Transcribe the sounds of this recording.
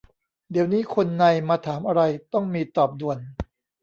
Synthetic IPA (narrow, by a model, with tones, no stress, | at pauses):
di˩˦əwniː˦˥kʰo˧nːa˧jmaː˧t̪ʰaː˩˦mʔa˧ɾa˧jt̪ɔ˥˩ŋmiː˧t̪ɔː˨˩p̚du˨˩ən